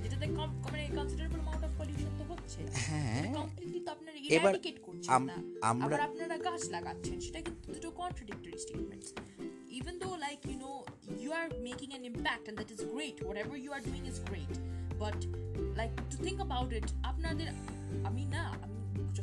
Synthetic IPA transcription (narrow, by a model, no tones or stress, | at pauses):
d͡ʒeʈad̪ɛkɔkɔmenekɔ̃nsiɖəɾebolmãw̃ɳʈɔfkɔljuʃõnt̪oɦotːt͡ɕʰehɛ̃eakɔ̃mkliʈlit̪oapnaɾieaɾɖikeʈkoɾt͡ɕʰanmːa̰a̰mabɾaaɾapnaɾaɡat͡ʃlaɡatːɕʰenʃeʈakĩt̪ut̪udukɔnʈɾaɖɪk̚ʈoɾisʈḛːʈmḛ̃nɳʈs | ivend̪olajkjuno | juaɾmekĩŋæ̃nɪ̃mpæk̚ʈɛ̃nd̪æʈɪzɡɾeʈwɔʈɛbəɾjuaɾɖuĩŋɪzɡɾeʈbɐʈlajkʈut̪ʰɪ̃ŋkəbawʈɪʈapnaɾd̪eɾ | aminaa̰mi